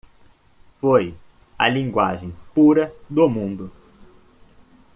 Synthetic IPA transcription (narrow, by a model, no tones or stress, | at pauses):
foj | ɐ̰lĩŋɡwa̰ʒẽj̃puɾɐd̪ʊmũnd̪ʊ